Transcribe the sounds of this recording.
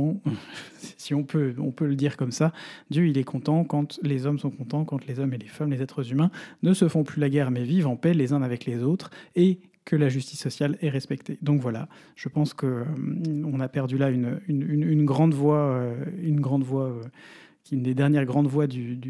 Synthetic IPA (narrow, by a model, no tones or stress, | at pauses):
ssiɔ̃pʰøɔ̰̃pøləd̪iʁkɔmsad̪jøilɛkʰɔ̃t̪ɑ̃kɑ̃t̪lezɔmsɔ̃kɔ̃t̪ɑ̃kɑ̃t̪lezɔmelefamlezɛt̪χəzymɛ̃nəsəfɔ̃plylaɡʲɛʁmɛvivɑ̃pɛlezɛ̃avɛklezot̪χe | kəlaʒyst̪isːɔsjalɛʁɛspɛkt̪ed̪ɔ̃kvwala̰ | ʒ̥əpɑ̃skəmɔ̃napɛʁd̪ylaynynynynɡʁɑ̃d̪vwaøynɡʁɑ̃d̪vwaø | kʲiynd̪ed̪ɛʁnjɛʁɡʁɑ̃d̪vwad̪yd̪